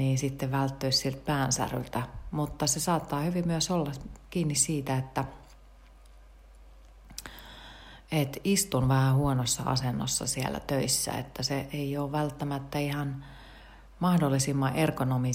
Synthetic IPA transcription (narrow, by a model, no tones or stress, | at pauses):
niːnsit̪ːeʋælt̪ːøissilt̪̚pæːnsæ̰ry̰lt̪æmut̪ːɑsesɑːt̪ːɑːhyʋimyøsolːɑkiːnːissiːt̪æet̪ːæ | et̪ist̪unʋæhæhuonosːɑ̰ʔɑ̰senːo̰sːɑ̰siḛlæ̰t̪øisːæ̰ḛt̪ːæseʔeioːʋʋælt̪ːæmæt̪ːæihɑn | mɑhdolːisimːɑʔerkonomi